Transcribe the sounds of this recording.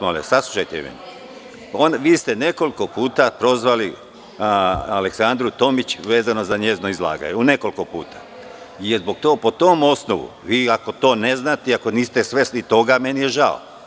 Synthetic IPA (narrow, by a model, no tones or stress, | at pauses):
molḛsaslˠuʃajt̪emḛni | onʋiːst̪ene̞ko̞liko̞puːt̪apɾo̞zʋali | aleksand̪ɾut̪o̞mit͡ɕʋe̞ːzano̞zaɲe̞zno̞izlˠa̰ːɡa̰ɲeune̞ko̞liko̞pṵːt̪ʰḁ | jezbo̞ɡ̚t̪o̞ːpo̞t̪o̞ːmo̞snoʋṵʋiːako̞t̪o̞ːne̞znaːt̪eiako̞niːst̪esʋe̞slit̪o̞ɡame̞nijeʒao̰